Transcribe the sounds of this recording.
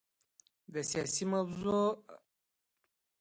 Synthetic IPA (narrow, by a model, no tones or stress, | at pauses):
d̪əsiasimabzo